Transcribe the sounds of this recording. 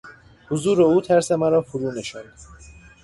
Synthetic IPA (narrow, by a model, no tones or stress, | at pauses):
hozuːɾeuːt̪ʰæɾsemæɾɒːfoɾuːneʃɔnd̪